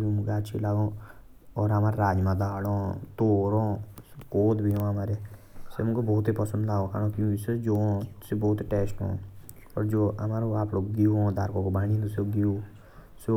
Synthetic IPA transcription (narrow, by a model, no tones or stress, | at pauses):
ũːmʊɡaːt͡ʃʰḭlaːɡõː | ɔːɾamaːɾɾaːd͡ʒmãːd̪aːɽõːt̪oːɾõːkoːd̪bʱijõːamaːɾeːsemʊ̃koboːt̪iːpəsə̃nd̪laːokʰaːɽoːkjũːkised͡ʒoːõːseboːt̪ʈeːsʈõ̰ː | pəɾd͡ʒoːa̰maːɾoːaːpɽoːɡiuõːd̪aːɾkoːkoːbaːɽĩːnd̪oseɡiuː | se